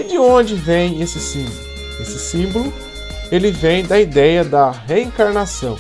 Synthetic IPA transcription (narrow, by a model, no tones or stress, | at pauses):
d͡ʒɪõd͡ʒɪvẽj̃esɪsĩblʊ | esɪsĩbʊlʊ | elɪvẽj̃d̪ɐid̪ɛjɐd̪ɐɦeĩkaɾnasɐ̰̃w̃